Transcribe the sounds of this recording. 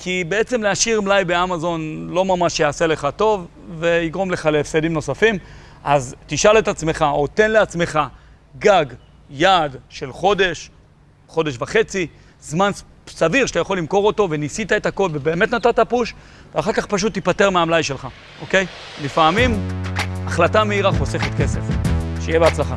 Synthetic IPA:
kʰibe̞et͡se̞mleaʃiʁmlajbeamazo̞nlo̞mamaʃjaːse̞le̞χat̪o̞vː | e̞iɡʁo̞mle̞χaleefsed̪imno̞safim | ʔazt̪iʃale̞t̪at͡sme̞χaot̪e̞nleat͡sme̞χa | ɡaɡ | jadʃe̞lχo̞de̞ʃ | χo̞de̞ʃvaχe̞t͡si | zman | saviʁʃe̥t̪ajaχo̞limko̞ʁo̞to̞ve̞nisit̪ae̞t̪hako̞lvebeːme̞t̪nat̪at̪apuʃ | veaχaʁkaχpaʃ̬ut̪ːipate̞ʁmeaːmlajʃe̞lχa | ʔo̞ke̞jlifamim | aχlatameiʁaχo̞se̞χet̪ke̞se̞fʃejebeat͡slaχa

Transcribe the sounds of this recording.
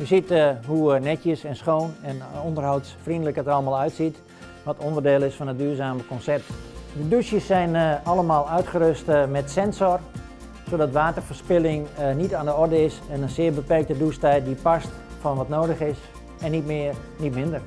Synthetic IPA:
jəsitɦunɛtjəsɛnsχoːnɛnɔndərɦɔwtsfrindələkətɑlˠəmaːlˠœɥtsit | ʋɔtondərdeːlˠɪsfɔnət̚dyːrzaːməkɔnsɛp̚tdədusjəsːɛjnɑləmaːlˠœɥtχəɾøstmɛtsɛnsɔr | soːdɑtʋaːtərfərspɪlɪŋnitaːndəɔrdəɪsɛnənsɪːəɹbəpɛrk̚tədustɛjt̚dipast | fɔnʋɔtnoːdəxɪs | ɛnːitmɪər | nitmɪndər

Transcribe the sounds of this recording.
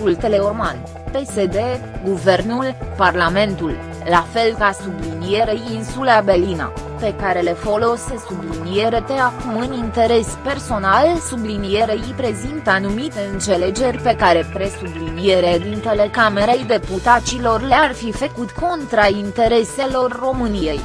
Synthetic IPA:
ult̪e̞le̞urman | pe̞se̞d̪e̞ɡuve̞rnulparlame̞nt̪ul | lafe̞lkasublinije̞ɾejinsulabelina̰pe̞kaɾe̞le̞fo̞lo̞se̞sublinije̞ɾe̞t̪e̞akumɨnint̪e̞ɾe̞spe̞rso̞nalsublinije̞ɾeijpɾe̞zint̪əanumit̪e̞ɨnt̪se̞le̞d͡ʒe̞rʲpe̞kaɾe̞pɾe̞sublinije̞ɾed̪int̪e̞le̞kame̞ɾejd̪e̞put̪at̪silo̞rlearfifəkut̪ko̞nt̪ɾaint̪e̞ɾe̞se̞lo̞rːo̞mɨnije̞j

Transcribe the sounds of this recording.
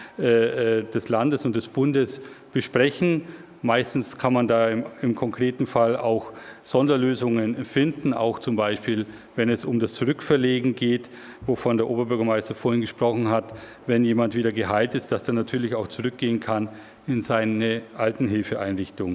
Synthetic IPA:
ʔɛːɛd̥ɛslandəsʊnt̚d̥ɛsb̥ʊndəsb̥əʃpʁ̥ɛçn̩ | maɪstn̩skʰanmandaːɪmkʰɔŋkʁ̥eːtn̩fala̰ʊxz̥ɔndɐløːzʊŋənfɪndn̩a̰ʊxt͡sʊmbaɪʃpiːl | vɛnɛsʊmdast͡suʁʏkfɛɐleːɡŋ̩ɡeːt | vofɔndeːɐʔoːbɐbʏɐɡɐmaɪstɐfoːɐhɪnɡəʃpʁ̥ɔχn̩ɦat | vɛnjeːmantv̥iːdɐɡəɦaɪltɪstd̥asd̥anatʰyːɐlɪçaʊxt͡suʁʏk̚ɡ̥eːənkʰan | ɪnzaɪnəʔaltn̩ɦɪlfəʔaɪnʁɪçtʊŋən

